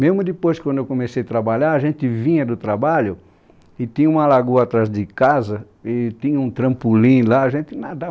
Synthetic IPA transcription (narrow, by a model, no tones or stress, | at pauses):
mezmʊd̪ɪpojskw̃d̪ʊewkõmesejɐt̪ɾabaʎaɾɐʒẽnt̪ɪvĩɲɐd̪ʊt̪ɾabaʎʊ | ɪt̪ĩɲɐũmɐlaɡuɐat̪ɾazd̪ɪkazɐ | ɪt̪ĩɲɐũt̪ɾɐ̃mpulĩlaaʒẽnt̪ɪnad̪a